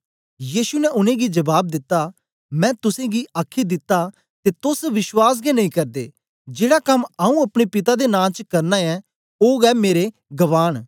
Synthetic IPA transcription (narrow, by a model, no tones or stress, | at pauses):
jiːsunɛʔʊnẽɡid͡ʒɐbaːb̚d̪ɪt̪ːa | mɛ̃ːt̪ʊsẽɡiaːkʰid̪ɪt̪ːa | t̪eːt̪ʊsʋɪʃwaːs̬ɡɛnɐĩkɐɾd̪ḛː | d͡ʒeːɽakɐmaũɐpɽ̃epɪt̪ad̪enãːt͡ʃəkɐɾnaɛ | oːɡɛmeːɾe | ɡɐʋaːɽ̃